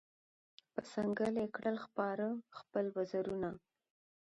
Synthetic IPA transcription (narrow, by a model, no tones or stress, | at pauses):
pəsaŋɡəlekɽəlxpɑɾəxpəlwazaɾuna